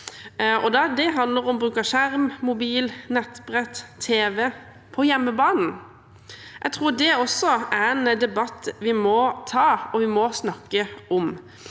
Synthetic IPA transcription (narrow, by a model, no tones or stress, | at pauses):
ɔd̪ɑd̪ɛɦɑnd̪ləɾɔmbʁʉːkəʃæɾmmʊbiːlnɛt̪ːbʁɛt̪ʰːeːʋɛ | pʰɔjɛmːəbɑːnn̩ | ʔɛt̪ʰʁuːɖ̪ɛɔsːɔæɾɛnd̪ɛbɑt̪ːʋɪmɔt̪ʰɑːɔʋɪmɔsnɑkːəʔɔm